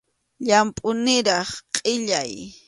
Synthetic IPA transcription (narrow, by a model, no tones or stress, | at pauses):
ʎampʼʊnɪɾɑχqʼɪʎaj